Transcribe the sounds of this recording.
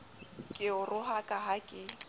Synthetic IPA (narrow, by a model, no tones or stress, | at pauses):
kʼɪʊrʊɦakʼaɦakʼɪ